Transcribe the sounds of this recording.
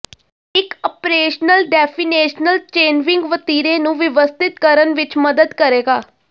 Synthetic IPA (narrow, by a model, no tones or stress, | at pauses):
ɪkəpɾeːʃnəlɖɛːpʰiːneːʃnəlt͡ʃeːnʋɪ̃ŋɡʋət̪iːɾẽːnũːʋɪʋəst̪ɪt̪̚kəɾənʋɪt͡ʃməd̪əd̪kəɾeːɡaː